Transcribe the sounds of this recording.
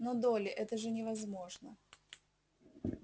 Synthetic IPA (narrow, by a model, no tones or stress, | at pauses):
nod̪olʲɪʔɛt̪əʐɨnʲɪvɐzmo̞ʐnə